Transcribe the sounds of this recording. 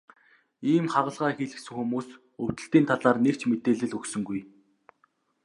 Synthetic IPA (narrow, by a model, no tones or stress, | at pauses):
iːmχaʁə̆ɮʁaːxiːɮɘ̆ksɘ̆ŋxumuːs | ʊwt̪ɘ̆ɬt̪iːnt̪ʰaɮaːrnekt͡ɕmet̪eːɮɘ̆ɮɵksɵ̆ŋɡuj